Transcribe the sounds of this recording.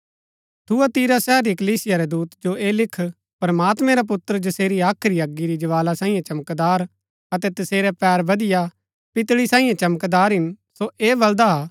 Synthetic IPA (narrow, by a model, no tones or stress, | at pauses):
t̪ʰuat̪iːɾasɛːɾikɐliːsɪjaɾɛd̪uːt̪d͡ʒoeːlɪkʰ | pɾɐmaːt̪mɛ̃ɾap̬ʊt̪ːəɾd͡ʒɐseːɾiaːkʰɾiɐɡːiɾid͡ʒɐʋaːlasãːĩjẽt͡ʃɐməkd̪aːɾ | ɐt̪ɛt̪ɐseːɾɛpɛːɾbɐd̪ɪja | pɪt̪ɽisãːĩjẽt͡ʃɐməkd̪aːɾɦɪn | soeːbɐld̪aɦa